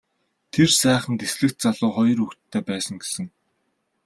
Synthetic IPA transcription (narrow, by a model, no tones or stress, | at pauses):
t̪ʰersæːχə̆nt̪esɮɘ̆k̚t̪̚t͡saɮʊːχɔjɞ̆rɵkt̪t̪ʰːeːpæːsə̆ŋɡesɘ̆ŋ